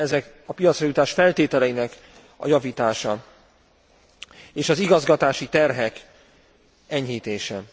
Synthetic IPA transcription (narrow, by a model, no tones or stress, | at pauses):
ɛzɛk | ɒpijɒt̪sjɒjut̪aːʃfɛlt̪eːt̪ɛlɛjinɛk | ɒ̰jɒviːt̪aːʃɒ | eːʃɒziɡɒzɡɒt̪aːʃit̪ɛrɦɛk | ɛɲhiːt̪eːʃɛ